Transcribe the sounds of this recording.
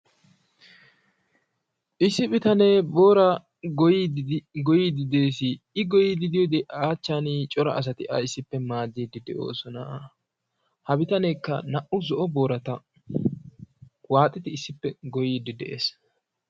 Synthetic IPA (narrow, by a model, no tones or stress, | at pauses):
ʔɪsːɪbɪt̪ɐneːboːɾɐ | ɡɔjid̪ɪd̪e̞ːsɪ | ɪɡɔjid̪ɪd̪ɪjɔd̪ɛʔaːt͡ʃːaːnit͡ʃʼɔɾɐʔɐs̬ɐt̪ɪʔɐ̰ɪsːɪpːɛmaːd̪ːid̪ɪd̪ɛʔo̞̰ːsɔnɐ | hɐbɪt̪ɐnekːɐnɐʔʊzɔʔɔbo̞ːɾɐt̪ɐ | waːt̪ʼːɪt̪ɪːsːɪpːɛɡɔjiːd̪ɪd̪ɛʔḛːs